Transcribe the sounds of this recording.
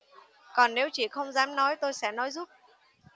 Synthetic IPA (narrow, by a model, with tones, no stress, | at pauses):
kɔ˨˩nne˨˦wt͡ɕi˧˩xə˧wŋ͡mzaː˨˦mnɔ˨˦jt̪o˧jsɛ̰˧˥˩nɔ˨˦jzu˦˥p̚